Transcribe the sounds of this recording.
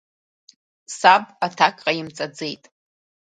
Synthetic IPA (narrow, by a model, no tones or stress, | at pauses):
sabatʰakʼqʼajɪmt͡sʼad͡ze̞jtʼ